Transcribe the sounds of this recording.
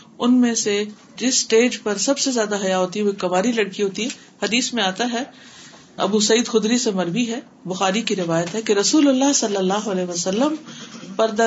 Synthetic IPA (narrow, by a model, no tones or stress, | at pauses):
ʊnmẽse | d͡ʒɪsːʈeːd͡ʒpɐɾsɐbsezjaːd̪aɦɐjaɦoːt̪iɦɛoekɐʋaːɾilɐɽkiɦoːt̪iɦɛ | hɐd̪iːsmẽaːt̪aɦɛ | ɐ̰busɐiːd̪xʊd̪ɾisemɐɾʋiɦɛ | bʊxaːɾikiɾɪʋaːjət̪ɦɛkeɾɐsuːlʊlːaɦsɐlːəlːaːɦoɐlɛːɦʋɐsɐlːəmpɐɾd̪ɐ